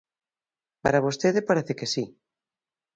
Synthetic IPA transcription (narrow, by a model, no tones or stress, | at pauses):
paɾaβost̪eðepaɾeθekesi